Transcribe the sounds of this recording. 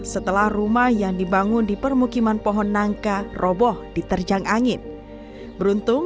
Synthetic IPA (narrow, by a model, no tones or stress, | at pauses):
sət̪əlahrumahjaŋdibaŋʊndipərmukimanpɔɦɔnːaŋkarʔobɔhd̥it̪ərd͡ʒaŋaŋɪn | bəɾunt̪ʊŋ